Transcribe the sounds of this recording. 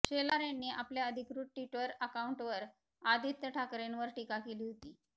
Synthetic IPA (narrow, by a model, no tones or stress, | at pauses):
ɕelaɾenːiːʔapljaəd̪ʱikɾuːʈ̪̚ʈiʈʋəɾəkauɳʈʋəɾ | ad̪ʱit̪əʈʰakɾenʋəɾʈikakeliːɦot̪iː